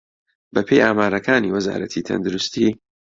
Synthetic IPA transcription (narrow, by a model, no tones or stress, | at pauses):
bɐpʰejaːmaːɾɐkʰaːniːwɐza̰ːɾɐ̰t̪ʰit̪ʰɐ̰nd̪ʊɾʊst̪i